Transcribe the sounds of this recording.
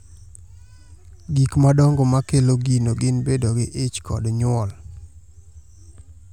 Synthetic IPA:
ɡikmadɔŋɡɔmakeloɡinoɡɪnbedoɡɪʔet͡ʃkɔ̰dɲʊɔl

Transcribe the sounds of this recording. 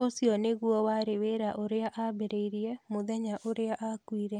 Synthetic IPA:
osiɔneɣwɔwaɾeweɾaʔoɾeaʔabeɾeiɾjɛmoðɛɲaʔoɾeaʔakwiːɾɛ

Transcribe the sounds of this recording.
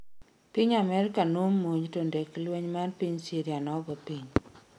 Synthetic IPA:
piɲamɛɾkanomːoɲtondeklweɲmanpiɲsiɾianɔɡɔpiɲ

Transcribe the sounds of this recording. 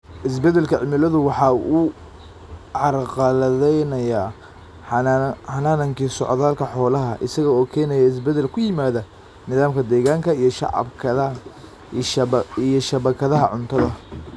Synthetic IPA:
ʔɪs̬bɛd̪ɛlkʰɐʕɪmɪlɐðʊwɑħɑu | ʕɑrqɑlɐðɛjnɐjaː | ħɑnaːnɐŋkiːsɔ̰ʕðaːlkʰɐħɔːlɐɦɐʔɪsɐɣɐɔːkʰɛːnɛjɐɪs̬bɛd̪ɛlkʰʊjɪmaːðɐ | nɪðaːmkʰɐd̪ɛːɣaːŋkʰɐijɞʃɑ̰ʕɑ̰bkʰɐɐ | ijɔʃɐβɐkʰɐðɐɦɐʕʊnt̪ʰɐðɐ

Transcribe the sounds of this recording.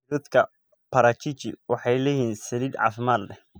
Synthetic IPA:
d̪ɐd̪kʰɐ | pʰɐɾaːt͡ʃʰit͡ʃɪ̰wɑħɑjlɐjiːnsɐliːd̪ʕɑ̰ːfɪmaːd̪lɛ

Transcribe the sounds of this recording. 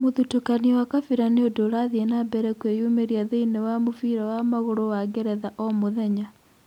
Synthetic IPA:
moðutukaniwakafiɾaneodoɾaðiɛnabɛɾɛkwejumeɾiaðeinewamofiɾawamaɣoɾowaɡeɾɛðaʔɔmoðɛɲa

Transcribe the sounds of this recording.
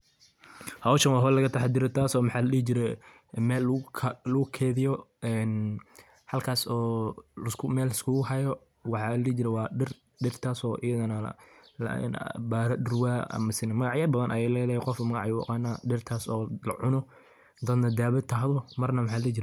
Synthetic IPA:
hɐwʃɐnwɑːɦɔlɐɣɐt̪ʰɑħɑd̪ɪɾɔt̪ʰaːsɔːmɑħɑːlɐliːd͡ʒɪɾɛ | mɛːlkʰlʊɣʊkʰɛːðɪjɔɛːn | hɐlkʰaːsɔːlskʰʊmɛːlɐskʰuɣʊɦɐjɔ | wɑħɑːlɐliːd͡ʒɪɾɛwɑːɖɪr | ɖɪrt̪ʰaːsɔːʔɪjɐðɐnɐ̰l̰nbaːɾɐdʊrwaːɐ̰mɐsɪnɐmɐɣɑʕjɐbɐðɐnʔɐ̰jɛːlɛðɐhɛqɔfmɐɣɑʕjw̰qaːnaɖɪrt̪ʰaːsɔːlɐ̰ʕʊnɔ | d̪ɐd̪nɐd̪aːβɪt̪ʰɐɦðɔmɐrnɐmɑħɑːlɐliːd͡ʒɪɾɛ

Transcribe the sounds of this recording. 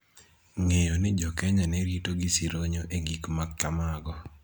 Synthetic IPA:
ŋejɔnɪd͡ʒɔkɛɲanɛɾitoɡisiɾoɲoʔeɡikmakkamaɡɔ

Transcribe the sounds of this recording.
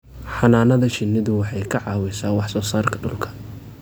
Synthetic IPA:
ħɑnaːnɐðɐt͡ʃɪnːɪðʊwɑħɑjkʰɐʕɑːwɪsaːwɑħsɔːsaːrkʰɐ̥ɖʊ̰lkʰɐ̥

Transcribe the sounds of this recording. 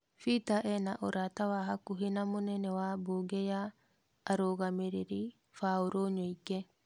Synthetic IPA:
fitaʔɛnaʔoɾatawaɦakuɦinamunɛnɛwaboɡejaː | ɾoɣamiɾiɾi | fauɾoɲoikːe

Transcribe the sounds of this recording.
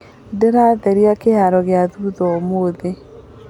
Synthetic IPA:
deɾaːðɛɾiakeɦaɾɔɣeaðuːðɔmoːðe

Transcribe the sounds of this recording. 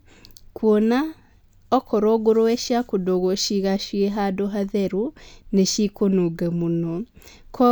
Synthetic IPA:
kʰwona | ɔkʰɔɾɔɡoɾoɛʃjakodoɣoʃiɣaʃieɦadoɦaðɛɾuneʃikonoɡɛmonɔ | kʰɔ

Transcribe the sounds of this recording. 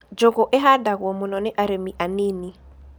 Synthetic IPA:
d͡ʒoɡoʔɛɦadaɡwɔmʊnɔnɪʔaɾemiʔanɪni

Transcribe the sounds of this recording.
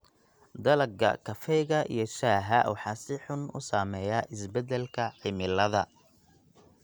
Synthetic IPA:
d̪ɐlɐɡɐ̰kʰɐfɛjɣɐʔḭjɞʃaːɦɐwɑ̰ħɑːsɪħʊnʊ̰saːmɛːjaːʔɪsbɛd̪ɛlkʰɐʕɪmɪlɐðɐ

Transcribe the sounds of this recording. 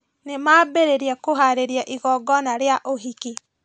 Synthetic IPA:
nemaːbeɾeɾiakoɦaɾeɾjaʔiɣɔɡɔnaɾeaʔoɦiki

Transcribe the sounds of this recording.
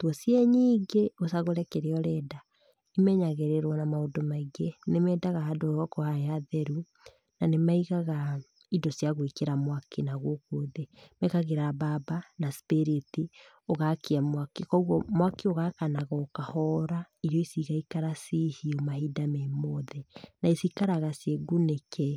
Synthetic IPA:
twɔsjɛɲiːɡeosaɣoɾɛkɛɾeɔɾɛda | imɛɲaɣɛɾɛɾwɔnamaodomaiɡenemɛdaɣahadoɔkohaeaðɛɾu | nanemaiɣaɣa | idosjaɣoikeɾamwakenaɣokoðemɛkaɣeɾababanaspeɾeti | oɣakiamwakekɔuɣɔmwakeoɣakanaɣɔːkahɔɾa | iɾjɔisiɣaikaɾasihiomahidamemoðɛnaisikaɾaɣasjeɡunekʰɛ

